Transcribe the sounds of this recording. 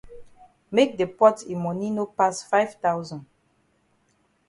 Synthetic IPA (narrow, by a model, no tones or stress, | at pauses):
mek̚depɔtimɔninopasfaɪvtawzɔ̃nd